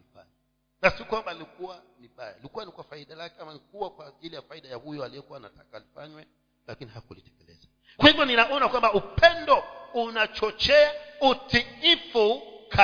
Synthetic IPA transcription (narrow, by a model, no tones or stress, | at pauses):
ifa̰ | nasiɔkwambaːlikuwaniɓajailikuwanikuwafaiɗalakɛamanikuwakwaʄilijafaiɗajahujɔalijɔkuwana̰tʰakaːlifaɲwɛ | lakinihakulitɛ̥kɛlɛ̰za | kwhimaninaʔɔnakwambaupʰɛndɔunat͡ʃɔt͡ʃɛautikifukʰa